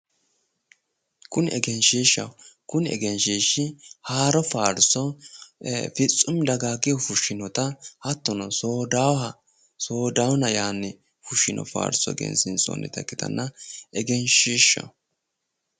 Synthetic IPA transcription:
kʊnɛɡɛnʃiːʃːɐ̰wkʊnɛ̰ɡɛnʃiːʃɪhaːɾɔfaːɾsɔ | fɪt͡sʼːʊmd̪ɐɡaːɡɪjɔfʊʃːɪnɔt̪ɐhɐt̪ːɔnɔsoːd̪awhɐ | soːd̪awnɐjaːnːɛ | fʊʃːɪnʔɔ̰fa̰ːɾsɔ̰ɡɛ̰nsɪnsɔ̰nːɛ̰t̪ɐkːɪt̪ɐ̰nːɐʔɛɡɛnʃiːʃːɐ̰w

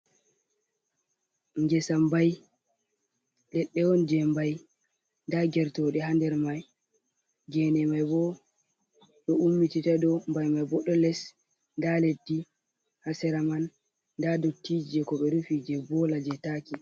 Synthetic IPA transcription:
ŋɡɛsambaj | lɛɗːɛwɔnd͡ʒɛmbaj | ndaɡɛɾtɔɗɛɦandɛɾmaj | ɡɛnɛmajbɔ | ɗɔumːititadɔmbajmajbɔɗɔlɛs | ndaledːi | hasɛɾamanː | dadotːid͡ʒɛkɔɓɛɾufid͡ʒɛbɔlad͡ʒɛtaːki

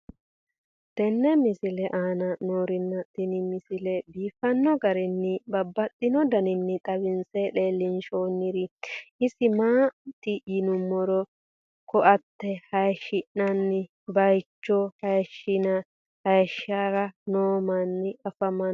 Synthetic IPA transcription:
t̪ɛnːɛmɪsɪlɛʔaːnɐnoːɾɪnːɐt̪ɪnɪmɪsɪlɛbiːfɐnːɔɡɐɾɪnːɪbɐbːɐt̪ʼːɪnɔd̪ɐnɪnːɪt̪ʼɐβɪnsele̞ːlːɪnʃoːnːɪɾɪɪsɪmaːt̪ːɪjɪnʊmːɔɾɔ | kʰɔʔɐt̪ːɛhɐjʃɪʔnɐnːɪ | bɐjt͡ʃːɔhɐjʃɪnɐ | hɐjʃaːɾɐnoːmɐnːɪɐfɐmɐ

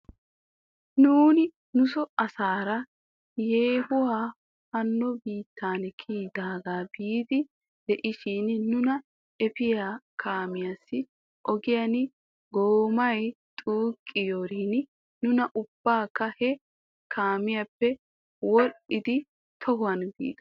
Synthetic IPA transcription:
nuːnɪ | nʊsɔɐsaːɾɐ | jeːhʊwaː | hɐnːɔbiːt̪ʰːaːnkʰiːd̪aːɡaːbiːd̪ɪ | d̪ɛʔɪʃɪnnʊnɐ | ʔɛpɪjaːkʰaːmɪjasːɪ | ʔɔɡɪjɐn | ɡoːmɐj | t̪ʼoːkʼːɪjoːɾiːn | nʊnɐʔʊb̥ːaːkːɐhɛ | kʰaːmɪjɐpːɛ | wɔʔɪd̪ɪ | t̪ʰɔhʊɐnbḭːd̪ɐ

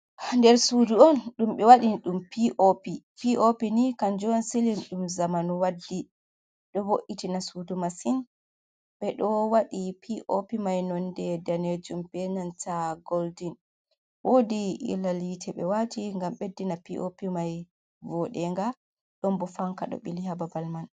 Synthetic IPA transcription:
ndɛɾsuduɔnɗumɓɛwaɗinɗumpiʔopi | piʔopinikand͡ʒɔnsilimɗumzamanuwadːi | ɗɔboʔitinasudumasin | ɓɛɗɔwaɗipʰiʔopimajnɔndɛdaned͡ʒumbɛnantaɡoldin | wodiʔḭlːalitʰɛɓɛ̰watiŋɡamɓedːinapiʔopimaj | vɔɗɛŋɡa | ɗɔmbɔfaŋkaɗɔ̰ɓilihababalman

